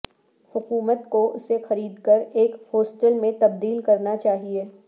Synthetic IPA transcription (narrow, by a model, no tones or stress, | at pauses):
hʊkuːmət̪koʔʊsexɐɾiːd̪kɐɾeːkhoːsʈəlmẽt̪ɐb̚d̪iːlkɐɾnat͡ʃaːɦieː